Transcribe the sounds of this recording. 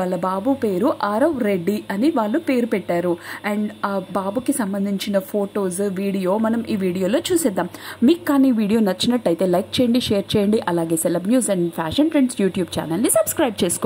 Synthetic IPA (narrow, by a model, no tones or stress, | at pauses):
aːɭːɐbaːbupe̞ːɾuʔaːɾɐʋɾe̞ɖːiɐniʋaːɭːupe̞ːɾupɛʈːaːɾuɛːɳɖaːbaːbukisɐmbɐnd̪ʱiɲt͡ʃinɐpʰoːʈo̞ːzʋiːɽijo̞ːmɐnɐmiːʋiːɽijo̞ːlo̞ːt͡ʃuːsɛd̪ːaːmmiːkːaːniːʋiːɽijo̞ːnɐt͡ʃːinɐʈːɐjt̪e̞ːlɐjk̚t͡ʃɛːjɐɳɖiʃɛːɐɾt͡ʃɛːjɐɳɖiʔɐlaːɡe̞ːsɛlɐbnjuːsɐɳɖpʰaːʃɐɳʈɾeɳɖsjuːʈjuːbt͡ʃa̰ːnɐlnisɐbskɾɐjb̚t͡ʃeːsu̥ko